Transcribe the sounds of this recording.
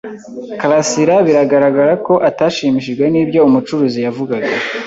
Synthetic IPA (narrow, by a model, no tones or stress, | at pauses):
kalasiɾaβiɾaɡaɾaɡaɾako̞ʔataːʃiːmiʃiʒɡwe̞niːbjo̞umut͡ʃuɾuːzijavuɡaɡa